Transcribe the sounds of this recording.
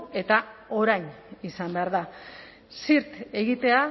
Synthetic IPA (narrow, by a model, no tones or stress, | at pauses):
e̞t̪ao̞ɾajn | isambe̞aɾða | siɾt̪e̞ɣit̪e̞a